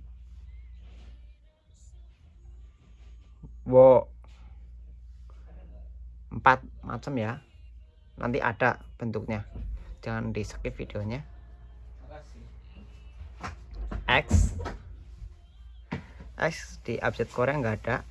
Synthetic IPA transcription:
wɔ | əmpat̪̚ma̰t͡ʃəmja | nʔa̰nt̪iʔa̰ɖ̥aʔb̥ənt̪ʊk̚ɲḁd͡ʒ̥aŋandisə̥kɪfid̥eoɲa | ʔɛks | ʔɛ̰ksd̪̥iʔa̰b̚sɛt̪̚koɾeŋɡaɖ̥aʔ

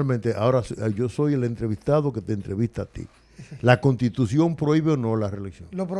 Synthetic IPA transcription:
lmẽnt̪eʔao̞ɾasʝo̞so̞je̞le̞nt̪ɾe̞βist̪aðo̞ke̞t̪eːnt̪ɾe̞βist̪aːt̪ḭ | lako̞nst̪it̪usjo̞mpɾo̞iβe̞onõ̞lareliksjoŋlop

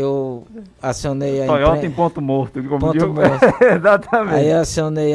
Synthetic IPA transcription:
ew | asionejaɔjɔ̃t̪ẽj̃põt̪ʊmoɾt̪ʊkɪkõmpõd͡ʒimoezat̪ʰɐmẽiasiõnej

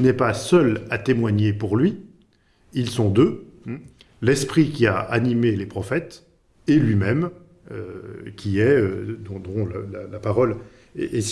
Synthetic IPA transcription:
nɛpasœlat̪emwaɲepuʁlɥi | ilsɔ̃d̪ø | lɛspχikʲiaʔanimelepχɔfɛt̪ | elɥimɛm | økʲʰiɛød̪ɔ̃d̪ɔ̃lalalapaʁɔl | ḛe

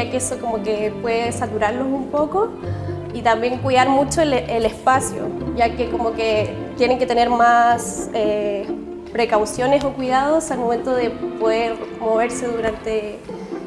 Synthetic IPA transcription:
akeeso̞ko̞moke̞pwe̞ðesat̪uɾaɾlo̞sumpo̞ko̞ | it̪ambje̞ŋkwiðaɾmut͡ʃolelespasjo̰ʝake̞ko̞moke | t̪je̞ne̞ŋke̞t̪e̞ne̞ɾmase | pɾe̞kawsjo̞ne̞so̞kwið̞aðosalmo̞me̞nt̪oðe̞poðe̞ɾmo̞β̞e̞ɾse̞ðuɾant̪e̞

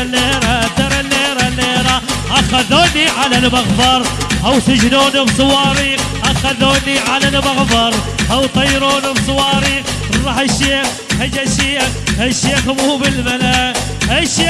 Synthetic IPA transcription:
leːɾat̪ɑɾˤaleːɾaleːɾaʔaxaðoːniʕalalmaɣfɑɾˤʔawsɪd͡ʒnuːnibsˤʊwɑːɾix | ʔaxaðoːniʕalalmaɣfɑɾˤ | ʔawt̪ˤɑjɾuːnibsˤʊwɑːɾiːx | ɾˤɑːħaʃːeːx | had͡ʒaʃiː | haʃːeːxmuːbɪlmala | ʔaʃiː

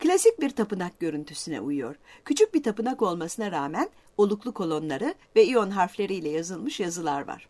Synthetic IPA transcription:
klʲasic̚biɾt̪ʰapɯnak̚ɟø̞ɾynt̪ʰysynɛ̰ʔujujo̞̰ɾcʰyt͡ʃʰyc̚bit̪ʰapɯnako̞lˠmasɯnaɾaːmæn | o̞lˠuklˠukʰo̞lˠo̞nlˠaɾɯvɛio̞nɦaɾflʲe̞ɾijlʲɛjazɯlˠmɯʃjazɯlˠaɾva̰ɾ̥

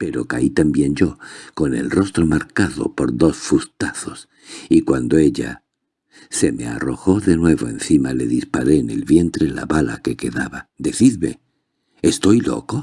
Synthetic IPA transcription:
pe̞ɾo̞kait̪ambje̞nd͡ʒo̞ko̞ne̞̰lro̞st̪ɾo̞maɾkaðo̞̰po̞ɾðo̞sfust̪aθo̞s | ikwand̪o̞e̞ʎa̰ | se̞me̞a̰ro̞xo̞ðe̞nwe̞βo̞e̞nθimale̞ðispaɾe̞ːne̞lβje̞nt̪ɾe̞la̰βala̰ke̞ke̞ðaβad̪e̞θiðβe̞̰ː | st̪o̞jlo̞̰ko

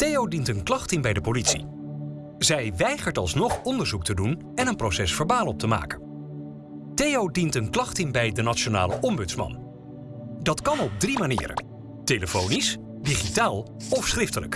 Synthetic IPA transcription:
tejowdintənklɑχtɪnbɛjdəpolitsḭ | zɛjʋɛjχəɹtɑ̰lˠsnɔχɔndəɹzuktədun | ɛnənprosɛsfəɹbaːlɔp̚təma̰ːkən | tejowdintənklɑχtɪnbɛjdənat͡ʃona̰ːlə̰ʔɔmbɵtsmɑ̰n | dɑtkɑnɔb̚drimanɪ̰ːɾə̰ | teləfownis | diχitaːlˠ | ɔfsχrɪftələ̰k

